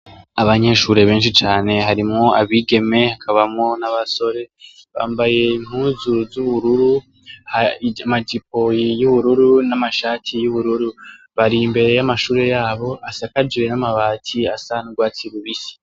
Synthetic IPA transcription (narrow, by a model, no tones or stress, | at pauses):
aβaɲe̞ʃuːɾe̞βe̞ːnʃit͡ʃaːne̞ɦaɾimŋo̞aβiːɡe̞me̞hakʰaβamŋo̞naβaso̞ɾe̞ | βa̰ːmbaje̞im̥huzuzuβuɾuɾu | haamadip̚o̞jijuβuɾuɾunamaʃaːtʰijuβuɾuɾu | βaɾimbe̞ɾe̞jamaʃuːɾe̞jaːβo̞ʔasakad͡ʒiɾe̞namaβaːtʰiasanuɡwaːt͡siɾuβisi̥